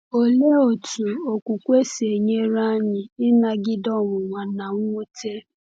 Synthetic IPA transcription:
o˨le˦o˨tʰu˨o˨kʷu˨kʷe˦se˨ɲe˦ɾa˦ɲɪ˨ɪ˦na˨ɡɪ˦dɔ˦ŋʊ˨ŋa˨na˨ŋʷ˦u˦te˦

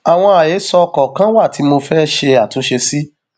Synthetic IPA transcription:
a˨w̃ɔ̃˧a˨je˨˦sɔ˧kɔ˨kã˦wa˦˨tʰi˨˦mo˧fɛː˦ʃe˧a˨tũ˨˦ʃe˧si˦

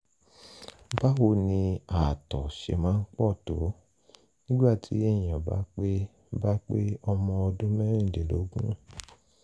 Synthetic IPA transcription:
ba˦wo˧˨nĩ˧a˨tɔ˨ʃḛ˧mãː˨˦n̩˦k͡pɔ˦˨to˨˦ | nĩ˦ɡ͡ba˦˨tʰḭ˨˦ɛ˦˨j̃ã˨ba̰˦k͡pe˦ | ba˦k͡pe˦ɔ˧mɔ̃˧ɔ˧dũ˦mɛ˦ɾ̃ĩ˦˨de˨lo̰˨˦ɡũ˦

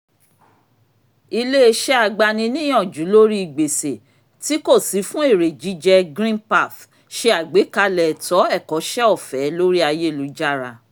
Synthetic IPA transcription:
i˧le˦e˧ʃɛ˦a˧ɡ͡ba˧nĩ˧nĩ˦j̃ɔ̃˦˨d͡ʒu˨˦lo˦ɾi˦i˦˨ɡ͡be˨se˨ | ti˦ko˦˨si˨˦fũ˦e˦˨ɾe˨d͡ʒi˨˦d͡ʒɛ˧ɡɾĩ˦npa˦˨f | ʃe˧˦a˨ɡ͡be˨˦ka˧lɛ˨tɔ˨˦ɛ˦˨kɔ˨˦ʃɛ˦ɔ˦˨fɛ˨˦lo˦ɾi˦a˧je˦˨lu˨˦d͡ʒa˦˨ɾa˧

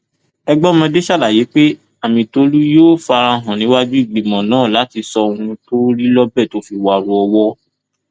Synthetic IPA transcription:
ɛ˧ɡ͡bɔ˦mɔ̃˧de˦ʃa˦˨la˨je˨˦k͡pe˦ | a˦˨mĩ˧to˧lu˦joː˦˨˦fa˧ɾã˧˨ɦɔ̃˨nĩ˨˦wa˦d͡ʒu˦i˦˨ɡ͡be˨mɔ̃˨nãː˨˦˨la˨˦ti˧sɔ˧o˧hũ˧to˦ɾi˦lɔ˦bɛ˦˨to˦fi˧wa˨ɾũ˧˦ɔ˧wɔ˦

